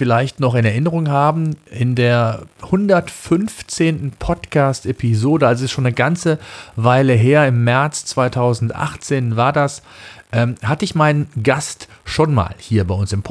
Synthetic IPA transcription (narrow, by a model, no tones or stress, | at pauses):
fɪlaɪçtnɔχɪnɛɐʔɪnəʁ̞ʊŋɦaːbm̩ʔɪndeːɐhʊndɐtfʏnft͡seːntn̩pʰɔtkʰaːstʔepʰizoːdəalzoɛstʃoːnəɡant͡səvaɪləɦeːɐɪmːɛɐt͡st͡sv̥aɪtʰaʊzn̩tʔa̰χt͡seːnvaːɐdas | ʔɛːmhatəɪçmaɪnənɡastʃoːnma̰ːlhiːɐbaɪʊnsɪmpʰ